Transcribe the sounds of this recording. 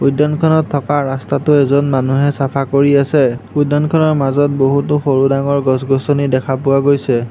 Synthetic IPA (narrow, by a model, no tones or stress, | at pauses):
ujdɔnkʰɔnɔtʰːɔkaɹastatʊɛzɔnmanuɦɛsapʰakoɹiasɛudɔnkʰɔnɔɹmazɔt̚boɦutʊxoɹudaŋɔɹɡɔsɡɔsɔnidɛkʰapʊwaɡojsɛ